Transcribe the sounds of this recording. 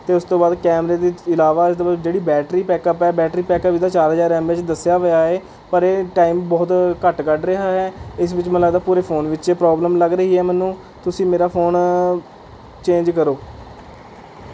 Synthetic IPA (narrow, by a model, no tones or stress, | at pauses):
t̪eːʊst̪õːbaːd̪kɛːmɾeːd̪iːɪlaːʋaːɪst̪oːbaːdd͡ʒeːɽiːbɛːʈɾiːpɛːkəpɛːbɛːʈɾiːpɛːkəʋiːd̪aːt͡ʃaːɾɦəzaːɾɛːmʋɪt͡ʃd̪əsjaːʋəjaːeː | pəɾeːʈaːimbɔːt̪kəʈkəʈɾeɦaːɦɛːɪs̬ʋɪt͡ʃmələɡd̪aːpuːɾeːpʰoːnʋɪt͡ʃeːpɾɔːbləmləɡɾəɦiːɦɛːmɛːnːũː | t̪ʊsĩːmeːɾaːpʰoːn | t͡ʃẽːɲd͡ʒkəɾoː